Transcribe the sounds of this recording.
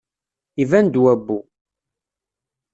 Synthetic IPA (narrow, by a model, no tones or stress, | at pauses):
ivænd̪wæbːu